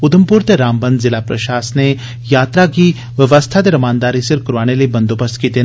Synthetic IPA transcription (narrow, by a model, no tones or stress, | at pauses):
ʊd̪əmpuːɾt̪eɾaːmbə̃nd̪zɪlapɾɐ̰ʃaːsəne | jaːt̪ɾaki | ʋjəʋəst̪ʰat̪eɾɐmaːnd̪aːɾisɪɾkɾuʋaːñelebɐ̃nd̪obəst̪kiːt̪e